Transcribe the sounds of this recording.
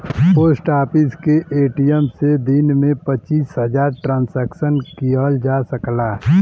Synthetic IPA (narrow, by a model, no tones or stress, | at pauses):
poːsʈaːpɪskeʔeːʈijəmsed̪ɪnmẽpət͡ʃiːsɦəd͡ʒaːɾʈɾãːnsɛːksənkiəld͡ʒasəklaːɦ